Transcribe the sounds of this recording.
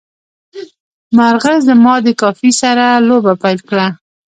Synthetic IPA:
maɾɣəzd̪əmɑd̪əkɑfisaɾalobapajlkɽa

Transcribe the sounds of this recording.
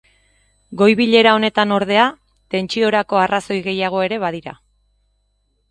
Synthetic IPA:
ɡo̞jβiʎe̞ɾao̞ne̞t̪ano̞ɾð̞e̞a | t̪e̞nt͡ʃio̞ɾako̞araso̞jɣe̞jaɣ̞o̞e̞ɾe̞βað̞iɾa̰

